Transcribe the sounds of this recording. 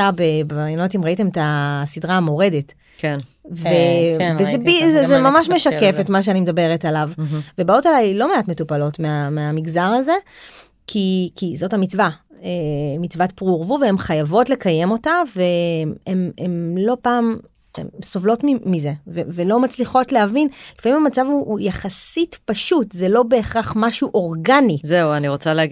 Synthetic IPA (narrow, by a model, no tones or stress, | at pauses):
abebeajano̞timʁaite̞metasidʁaːmo̞ʁe̞det | kvevezebizezemamaʃme̞ʃake̞fetmaʃ̬eanimedabe̞ʁetalavve̞baotalajlo̞meatmetupalo̞tmeameamiɡzaʁaze̞ | kʰikʰizo̞tamit͡sva | emit͡svatpʁuʁvuvee̞mχajavo̞tlekaje̞mo̞tave̞ememlo̞paːm | ḛmsovlo̞tmimize̞vevelo̞mat͡sliχo̞tleɦavinlifamimamat͡savuːjaχasitpaʃutzelo̞be̞ːχʁaχmaʃuʔo̞ʁɡanizeuaniʁot͡sale